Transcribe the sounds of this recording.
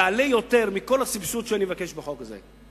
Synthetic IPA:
alejo̞t̪e̞ʁmiko̞lasibsut̪ʃeanievake̞ʃbeχo̞kazḛ

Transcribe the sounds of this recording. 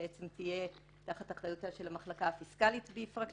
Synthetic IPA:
ʔet͡semtije̞ | taχataχdajutaʃe̞lamaχlakaːfiskalitbeifʁak

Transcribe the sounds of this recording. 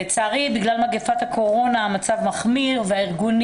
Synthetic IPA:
t͡saːʁibiɡlalmaɡefat̪hakʰo̞ʁo̞naamat͡savmaχmiʁveaiʁɡun

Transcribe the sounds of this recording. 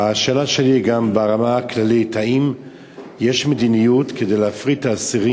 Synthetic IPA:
aʃalaʃeliɡambeaʁamaklalitaim | jeʃmed̪inijutkede̞jleafʁit̪aːsiʁi

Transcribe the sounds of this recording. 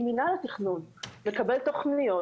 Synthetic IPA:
minalet̪iχnunlekabelt̪oχnijo

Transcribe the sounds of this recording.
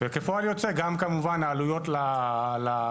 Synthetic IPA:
vekefoaljot͡seɡamkamuvanaːlujo̞tlala

